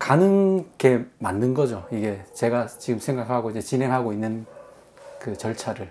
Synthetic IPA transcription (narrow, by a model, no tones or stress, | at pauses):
kanɯnɡe̞manːɯnɡʌd͡ʑoiɡe̞t͡ɕe̞ɡat͡ɕiɡɯmsʰeŋɡakʰaɡoid͡ʑet͡ɕinɦe̞ŋɦaɡoinːɯn | kɯt͡ɕʌɭt͡ɕʰaɾɯɭ